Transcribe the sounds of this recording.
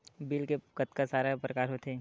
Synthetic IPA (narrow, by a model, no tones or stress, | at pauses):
biːlkekət̪kasaːɾapɾəkaːɾɦot̪ʰeː